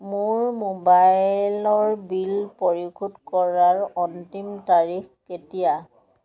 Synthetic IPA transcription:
mʊɹmobajlɔɹbilpoɹikʰutkɔɹaɹɔntimtaɹixketija

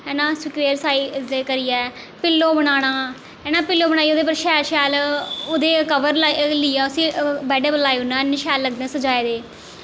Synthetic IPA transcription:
ɛːnãːsʊkʋeːɾsaːiːd̪eːkəɾiːɛː | pɪlːoːbəɽ̃aːɽ̃aː | ɛːnãːpɪlːoːbəɽ̃aːiːoːd̪eːp̬əɾʃɛːɾʃɛːloːd̪eːkəʋəɾlliːɛːʊsĩːbɛːɖebəlaːeʊnãːnɪʃɛːlːəɡ̚d̪ɛ̃ːsəd͡ʒaːeːd̪eː

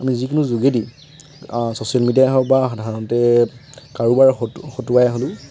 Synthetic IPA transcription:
amizikʊnũzuɡedi | sosialmidiaɦɔbaxɔdʱaɹɔnɔtɛ | kaɹubaɹxotuajɦolʊ̃

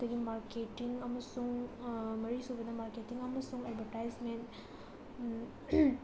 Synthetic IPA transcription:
d̪ɐɡimaːɾkeʈiŋɐmɐsuŋmɐɾisubɐd̪ɐmaɾkeʈiŋɐmːɐsuŋɐɖʋɐɾʈajsmenʈ

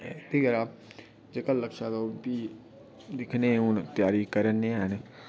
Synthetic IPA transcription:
t̪iɡəɾa | d͡ʒekəlːəkʃad̪obi | d̪ɪkʰnẽʊnt̪jaːɾikəɾənːeɦən

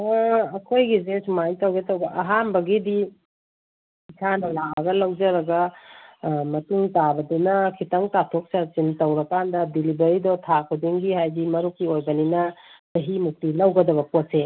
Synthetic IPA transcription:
ɐkʰojɡizesumajtɐwɡetɐwɡɐʔɐɦanbɐɡidi | isʰanɐlaɐɡɐlɐwd͡ʒɐɾɐɡɐ | mɐtuŋtabɐdunɐkʰitɐŋtatʰok̚sɐt͡ʃintɐwɾɐkandɐdilibɐɾidɔtʰakʰudiŋɡihajɡimɐɾukːiojbɐninɐtɐɦimuk̚tilɐwɡɐdɐβɐpot̚se

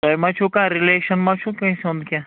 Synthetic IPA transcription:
t̪ɐmãt͡ʃʰuːkãːɾileːʃənmãt͡ʃʰũːkɐ̃ĩsõnd̪kjã

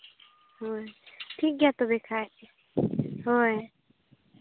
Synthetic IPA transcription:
ɦoʈʰiːk̚ɡjat̪obekʰaːet͡ʃʰe | ɦoj

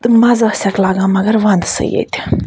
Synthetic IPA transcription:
mazəəsʲaklaɡamaɡɐɾʋand̪sə̰jḛt̪ʲ

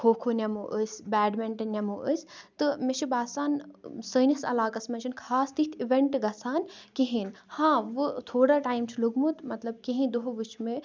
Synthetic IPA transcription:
kʰoːkʰonʲɐmoʔəsʲbɛːɖmeɳʈnʲɐmoʔəsʲt̪ɨmet͡ʃʰibaːsaːnsəːnɐsɐ̰laːkɐsmɐt͡ʃʰinkʰaːst̪it̪ʰiʋeɳʈɡɐsaːnkeɦinhãːʋɨt̪ʰoːɽaːʈaːjmt͡ʃʰiluɡmut̪mɐt̪lɐb̚kẽɦĩd̪oɦʋɨt͡ʃʰme

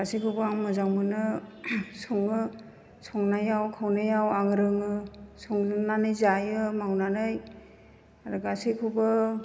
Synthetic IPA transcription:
ɡ̥asikʰɯwbɯaŋmɯzawmɯnɯ | sɔŋɯ | sɔŋnajawkʰawnajawaŋɾɯŋɯsɔŋnanɯjzajɯmawnanɯj | aɾuɡasikʰɯwbɯ

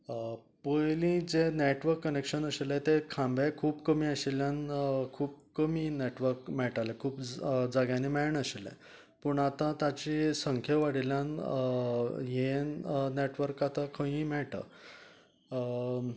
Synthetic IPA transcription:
pəjlĩd͡zeneʈʋəɾkːənekɕənəɕelet̪ekʰãmbakʰuːbkəmiːəɕeljankʰuːbkəmiːneʈʋəɾkmɛʈalekʰuːpd͡zaɡjãnimɛɭɳəɕelḛ̃ | pəɳat̪ãt̪ãt͡ɕisəŋkʰeʋaɽiljãn | jenneʈʋəɾkat̪akʰə̃ĩmɛʈə̰

